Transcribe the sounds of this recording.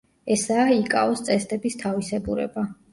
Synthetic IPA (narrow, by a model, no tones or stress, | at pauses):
ɛsaːikʼa̰ɔst̪sʼɛst̪ʼɛbist̪ʰavisɛbuɾɛ̰ba